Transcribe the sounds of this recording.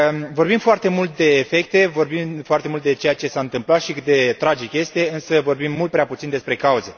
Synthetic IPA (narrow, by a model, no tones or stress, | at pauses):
vo̞rbimfoart̪e̞mult̪̚d̪e̞ːfe̞k̚t̪e̞vo̞rbimfoart̪e̞mult̪̚d̪et͡ʃe̞jat͡ʃe̞saɨnt̪ɨmplat̪ʃikɨt̪̚d̪e̞t̪ɾad͡ʒikje̞st̪e̞ɨnsəvo̞rbimːult̪̚pɾeaput̪sind̪e̞spɾe̞kauze̞